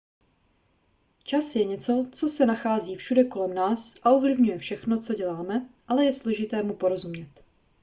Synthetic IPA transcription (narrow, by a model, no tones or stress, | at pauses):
t͡ʃasjɛɲɛt͡so̞t͡so̞sɛnaxaːziːfʃudɛko̞lɛmnaːsʔaʔovlɪvɲujɛfʃɛxno̞t͡so̞ɟɛlaːmɛʔalɛjɛslo̞ʒɪt̪ɛːmupo̞ɾo̞zumɲɛt̪